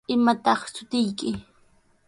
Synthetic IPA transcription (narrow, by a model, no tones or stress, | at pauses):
ɪmat̪ɑχsʊt̪ɪjkɪ